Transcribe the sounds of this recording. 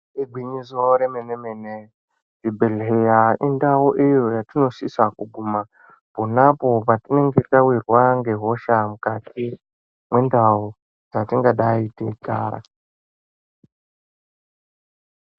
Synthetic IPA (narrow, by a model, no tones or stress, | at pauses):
iɡʱwiɲizoɾemenemene | dibʱelɦejaindauʔijo̞jatino̞sisakuɡʱuma | ponapo̞patine̞ŋɡetawirwaŋɡe̞ɦo̞ʃamukatʰi | mwe̞ndau | d͡zatiŋɡaɗaiteka̰ːɾa̰